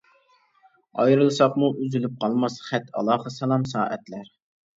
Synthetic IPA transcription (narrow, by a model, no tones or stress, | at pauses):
ɑjɾɨlˠsɑqmuʔyzylyp̚qʰɑlˠmɑsχɛt̪ɑ̰lˠɑːhɨsɛlˠɑmsɑːʔɛt̪læɾ